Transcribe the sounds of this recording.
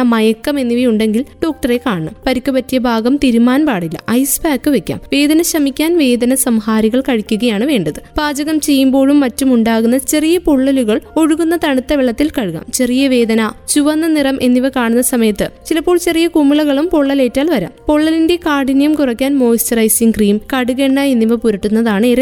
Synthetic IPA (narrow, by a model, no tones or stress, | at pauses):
mɐjɐkːɐme̞nːiʋɐjuɳɖe̞ŋɡilɖo̞ːk̚ʈɐre̞kaːɳɐɳɐ̰mpɐɾikʲːupɐtːijɐbʱaːɡɐmt̪iɾumːaːnpaːɽilːɐ̰ʔɐjsbaːkːɨʋekʲːa̰ːmʋe̞ːd̪ɐnɐɕɐmikʲːaːnʋe̞ːd̪ɐnɐsɐmhaːɾiɣɐɭkɐɻikʲːuɣɐjaːɳɨʋe̞ːɳɖɐðɨbaːd͡ʑɐɣɐmt͡ɕe̞jːumbo̞ːɻumːɐtːumuɳɖaːɣunːɐt͡ɕe̞rijɐpoɭːɐluɣɐɭo̞ɻuɣunːɐt̪ɐɳut̪ːɐʋiɭɐt̪ːilkɐɻuɣa̰ːmt͡ɕe̞rijɐʋe̞ːd̪ɐnɐt͡ɕuʋɐnːɐnirɐmʔe̞nːiʋɐkaːɳunːɐsɐmɐjɐt̪ːɨt͡ɕilɐpːoːɭt͡ɕe̞rijɐkumːiɭɐɣɐɭumpoɭːɐle̞ːtːaːlʋɐɾa̰ːmpo̞ɭːɐlinde̞kaːɽinɐjɐmkurɐkʲːaːnmo̞ːist͡ɕɐrɐjsiŋkriːmkɐɽuɣe̞ɳɖɐe̞nːiʋɐpuɾɐʈːunːɐðaːɳɨeːrɐ